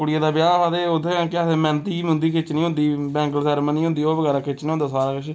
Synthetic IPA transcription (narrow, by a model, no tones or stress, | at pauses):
kʊɽɪjaːd̪aːbɪjaːʋaːd̪eːod̪eãːkɪasẽːmɛ̃ːnt̪iːmʊ̃nd̪iːkʰɪt͡ʃnĩːɦʊ̃nd̪iːbɛ̃ːŋkəlsɛːɾmənĩːɦʊ̃nd̪iːoːbəɡɛːɾaːkʰɪt͡ʃnẽːõnd̪aːsaːɾaːkəʃ